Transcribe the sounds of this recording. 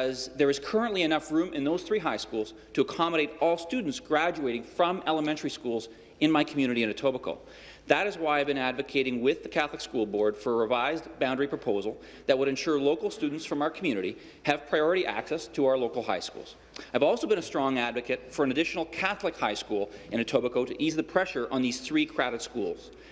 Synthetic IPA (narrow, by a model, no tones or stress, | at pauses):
ʌzðə˞ɨz̥kʰɜ˞ə̃nʔliɨnʌfɹũmɨ̃nðoʊz̥θɹiɦaɪskulˠz̥ | tʰɨːkʰɑməɾeɪɾɔlˠstʉdⁿn̩tsɡ̥ɹæd͡ʒueɪɾɪ̃ŋfɹʌ̃mɛlˠəmɛ̃ntʰə˞iskulˠz | ɨ̃nmaɪkʰmjʉñɨɾiɨ̃nɨtʰoʊbəkʰo̰ʊ | ðɨɾɨzwaɪaɪvbɨ̃ñædvɨkʰeɪɾɪ̃ŋwɪðɨkʰæθləkskulˠbɔɹd̥fə˞əɹɨvaɪzbãʊ̃ndɹipʰɹ̥əpʰoʊzl̩ˠ | ðɨt̚wəɾɨ̃nʃʊɹloʊkl̩ˠstʉdⁿn̩tsfɹʌ̃maʊə˞kʰm̩jʉnɨɾi | ɨv̥pʰɹ̥aɪɔɹɨɾiʔæ̰ksɛstʰəaʊə˞loʊkl̩ˠha̰ɪskṵlˠz̥ | aɪɨvɔlˠsoʊbɨ̃ñɨstɹ̥ɔ̃ŋædvɨkɨt̚fə˞ɨ̃nɨdɪʃn̩l̩ˠkʰæθlɨkhaɪskulˠʔɨ̃ñɨtʰoʊbəkoʊɾɨʔizðɨpʰɹ̥ɛʃə˞ʔə̃nðiz̥θɹikʰɹ̥æɾɨtskulˠz̥